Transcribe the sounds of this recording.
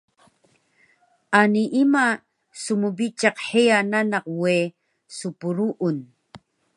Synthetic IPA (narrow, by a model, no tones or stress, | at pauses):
aniʔima | sumubit͡ʃɑqħiananɑqwe | supuɾuʔun